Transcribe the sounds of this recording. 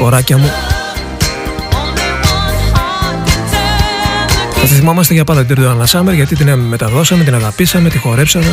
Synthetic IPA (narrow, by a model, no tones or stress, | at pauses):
o̞ɾɐcɐmu | ʝɐt̪iθimomɐst̪eʝɐpɐnd̪ɐt̪id̪ɾðoɐlɐsɐmeɾʝɐt̪it̪̬inmet̪ɐðo̞sɐme̞t̪inɐɣɐpisɐme̞t̪ixo̞ɾe̞psɐme